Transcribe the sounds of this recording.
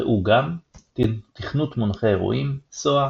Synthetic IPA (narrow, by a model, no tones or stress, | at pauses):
eʔuɡam | t̪iχnut̪monχeeʁṵʔimsoa